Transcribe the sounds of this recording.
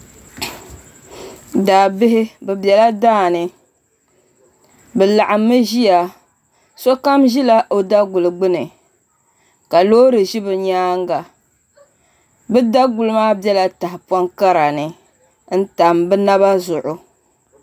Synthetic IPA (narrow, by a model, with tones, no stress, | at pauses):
daː˨bɪ˦ɦɪ˦bɛ˨bjɛ˨la˦daː˦˨nɨ˨ | bɛ˨la˨ʔa˨mːɨ˦ʒi˦ja˨ | so˦ka˦mʒi˦la˦ʔo˦da˦ɡʊ˨lɨ˨ɡ͡bɨ˦nɨ˨ | ka˨loː˦ɾɨ˨ʒi˦bɨ˨ɲaː˦ŋɡa˨ | bɨ˦da˦ɡʊ˨lɨ˦maː˦bɛ˦la˦ta˨hɪ˨pwɔ˦ŋka˦ɾa˨nɨ˨ | n̩˦ta˨mbɛ˦na˦βa˦zʊ˨ʔʊ˨